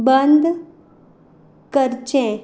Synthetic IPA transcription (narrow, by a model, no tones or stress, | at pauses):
bənd̪ʱ | kəɾt͡ɕẽ